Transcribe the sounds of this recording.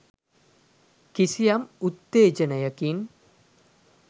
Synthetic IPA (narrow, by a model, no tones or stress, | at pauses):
kisijamut̪ːeːd͡ʒənəjəkin